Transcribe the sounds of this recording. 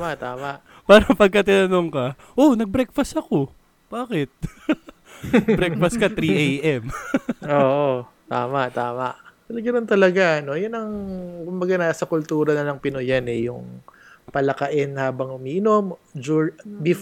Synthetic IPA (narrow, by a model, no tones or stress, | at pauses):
mɐʔt̪aːmɐʔ | paːɾɐpɐɡ̚kːɐt̪ɪnɐno̞ŋkɐ | ʔonɐɡ̚bɾɛk̚fɐsɐko̞ | b̥aːkɛt̪̚ | bɾɛk̚fɐskɐt̪ɾiʔejʔɛmoːʔo | t̪aːmɐʔt̪aːmɐʔt̪ɐlɐɡɐnont̪ɐlɐɡaɐno̞jʊnɐŋkʊmbɐɡanasɐkʊlt̪uːɾɐnɐlɐŋpɪnojanɛjʊŋ | pɐlɐkɐʔɛnhaːbɐŋʊmiːʔɪno̞md͡ʒubɪ